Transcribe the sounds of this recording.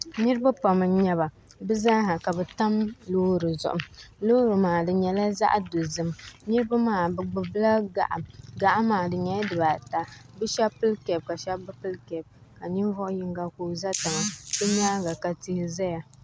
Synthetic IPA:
nɨ˦ɾɨ˦ba˦pa˨mɨ˨ɲɛ˦βa˨ | bɨ˦za˦ha˨ka˨bɛ˨ta˦mloː˦ɾɨ˨zʊ̰˨ʔʊ̰˨mloː˦ɾɨ˨maː˨dɨ˨ɲɛ˨la˦za̰˦ʔdo˨zɨ˨mnɨ˦ɾɨ˦ba˦maː˦˨bɨ˨ɡ͡bɨ˨bɨ˦la˦ɡa̰˨ʔa˨mɡa˨ʔa˦maː˨dɨ˨ɲɛ˨˦dɨ˨ba˨ta˨bɨ˦ʃɛ˦pɨ˦lkɛ˨b̚ka˨ʃɛ˦bɨ˦pɨ˦lkɛ˨b̚ka˨ɲi˦vɔ˦ʔʊ˦ji˦ŋɡa˦kuː˨za˦ta˨ŋa˨bɨ˦ɲaː˦ɡa˨ka˨ti˦hɪ˦za˦ja˨

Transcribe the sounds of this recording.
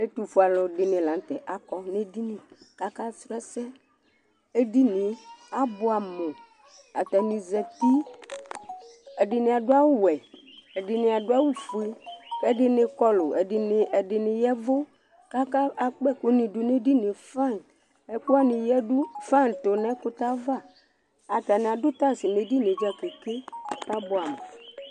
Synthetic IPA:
e˦t̪u˨fu˨a˨lɔ˨ɖɪ˨nẽ˨la˨n˦t̪ɛ˨ʔa˨kɔ˦ne˦di˦nĩ˨ka˦ka˦sɾɛ˦sɛ˦ | e˦di˦nĩ˨˦a˦bo˦a˨mo˨ | a̰˨t̪a˨nĩ˨zɛ˨t̪i˦ | e˨ɖɪ˨nẽ˨a˨ɖo˦a˦wo˦wɛ˨ | e˨ɖɪ˨ne˨a˨ɖo˦a˦wu˦fu˨e˦ɛ˦ɖɪ˨nẽ˨kɔ˦lo˨e˨ɖi˨ne˨ɛ˨ɖɪ˨ne˨jɛ˦vo˦ | ka˦ka˦a˦k͡pɛ˦ko˦nĩ˨ɖu˨ne˦di˦nẽ˨fã˦˨n | ɛ˨ku˦a˦nĩ˨jɛ˦ɖu˦fa˦n˨t̪o˨nɛ̃˦ko˦t̪a˦va˦˨ | a˨t̪a˨nẽ˨a˨dʊ˦t̪a˦si˨ne˨di˦nẽ˨d͡ʒa˦ke˨ke˦a˦bo˨a˨mo˨

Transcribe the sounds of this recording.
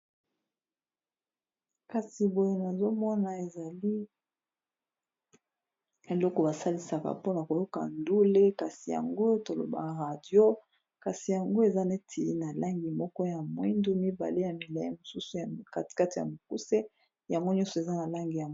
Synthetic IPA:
ka˨si˨bo˦je˦na˨zo˦mɔ˦na˨e˨za˨li˦ | e˨lɔ˦kɔ˨ba˨sa˦li˨sa˨ka̰˨po˦na˨ko˨jo˦ka̰˨ndu˦le˦ka˨si˨ja̰˨ŋɡo˦to˨lo̰˨ba̰˨ʁa˨djo˦ | ka˨si˨ja˨ŋɡo˦e˨za˦ne˦tʰi˨i˦na˨la˦ŋɡi˨mɔ˦kɔ˦ja˨mwi˦ndu˦mi˦ba̰˨le˦ja˨mi˨la˨je˦mo˨su˦su˨ja˨ka˨ti̥˨ka˦ti˨ja̰˨mo˨ku˦se˦ | ja˨ŋɡo˦ɲɔ̃˦nsɔ˨e˨za˦na˨la˦ŋɡi˨ja˨

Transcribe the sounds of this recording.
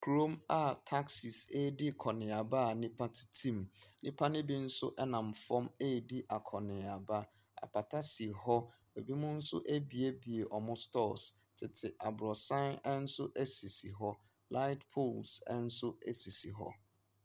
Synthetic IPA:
kʰɾo˦ma˨tʰa˦ksi˨se˦˨dɪ˦kʰɔ˨nɪ̃˨a˨ba˦a˨nɪ̃˦pʰa˦tʰɪ̥˨tʰĩ˦mnɪ̃˦pʰa˦nɪ̃˦bi˦n̩˦sʊ̰˦ʔɛ˦nã˨m̩˨fɔ˦me˦˨di˦ʔa˨kʰɔ˨nɪ̃˨a˨ba˦ | a̰˨pʰa˨tʰa˦si˨hɔ˦ | e˨bi˦mʊ̃˦n̩˦sʊ̰˦ʔe˦bi˨e˦bi˨e˨ʔɔ˨mʊ̃˦stɔ˦˨s | tʰɪ˨tʰɪ˨ʔa˨bʊ˨ɾɔ˨sã˦nɛ˦n̩˦sʊ˦ʔe˦si˨si˨ɦɔ˦ | la˦ɪ˦tpʰu˦˨lsɛ̰˦n̩˦sʊ˦e˦si˨si˨ɦɔ̰˦

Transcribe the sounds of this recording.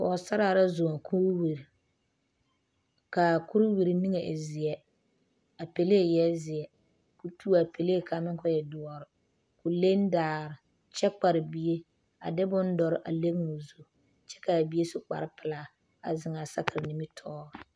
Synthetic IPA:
kɔ˨sa˦ɾa˦a˨ɾa˦zo˨a˨kʰu˦ɾwi˨ɾi˨ | ka˨kʊ˦ɾʊ˦wi˨ɾi˨ni˦ŋe˨ʔɪ˨zɪ˨ɛ˦ | a˨pe˨le˦e˨jɛ˦zɪ˨ɛ˨ | ku˨tʰuː˦a˨pe˨le˦e˦˨kʰa˨mɪ˦ŋkɔ˦jɛ˨dʊ˨ɔ˨ɾɪ˨ | kʊ˨le˦n˦daː˨ɾɪ˨ | t͡ʃɛ˦k͡pa˨ɾɪ˨bi˦e˦ | a̰˨dɪ˦bʊ˦n˦dɔ˨ɾɪ˦ʔa˨le˦ɡŋo˨zu˦ | t͡ʃɛ˦ka˨bi˦e˦sʊ˦k͡pa̰˨ɾɪ˦pɪ˨la˦ | a˨zɪ˨ŋa˨sa˦kɪ˨ɾni˨mi˦tʰɔː˦˨

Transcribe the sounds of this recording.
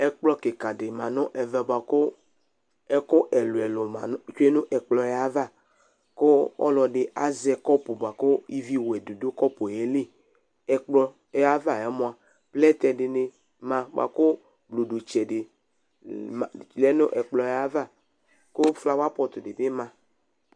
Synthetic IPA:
ɛ˦k͡plɔ˦ke˨ka˨dɪ˨mã˨nʊ̃˦ʔɛ˨vɛ˨ba˨kʊ˦ | ɛ˦kʊ˦ʔɛ˨lo˨ɛ˨lo˨ma˨n˦t͡ʃe˦nʊ̃˦ʔɛ˨k͡plɔ˨ja˦va˦˨ | ko˦ɔ̰˦lɔ˨ɖɪ˨a˦zɛ˨kɔ˦pu˨bo˨a˨kʊ˦i˦vi˦wɛ˨du˨do˦kɔ˦po˨e˨˦le˦ | ɛ˨k͡plɔ˦ | ɛ˦a˦va˦˨ɛ˨˦mo˨a˨ | plɛ˦t̪ɛ˨dɪ˨nɪ˨ | mã˨b̰a̰˨kʊ˦ | blo˨do˨t͡ʃɛ˨dɪ˨ | a˨lɛ˦nʊ˦ʔɛ˨k͡plɔ˨ja˦va˦˨ | kʊ˦fla˦wa˦pɔ˨t̪ʊ˨dɪ˨bɪ˦mã˨

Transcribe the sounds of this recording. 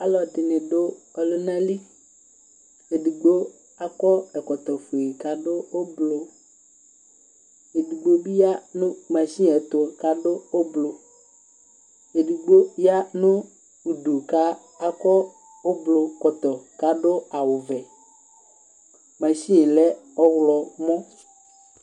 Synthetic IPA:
a˦lɔ˨t̪ɪ˨nɪ̃˨ɖʊ˦ɔ˨lʊ˦nã˦li˦ | e˨du˨ɡ͡bo˦ | a˦kɔ˦ɛ˨kɔ˨t̪ɔ˨fu˨i˨ka˦ɖʊ˦o˦blo˨ | e˨du˨ɡ͡bo˦bi˦ja˦nũ˦mã˨ʃi˦ɛ˨t̪ʊ˨˦˨ka˦ɖʊ˦o˦blo˨ | e˨du˨ɡ͡bo˦ja˦nũ˦ | u˨ɖu˨ka˦ | a˦kɔ˦ | o˦blo˨kɔ˨t̪ɔ˨ka˦ɖʊ˦a˨wʊ˨vɛ˨ | mã˨ʃĩ˦˨lɛ˦ɔ˦wlɔ˨mɔ̃˦

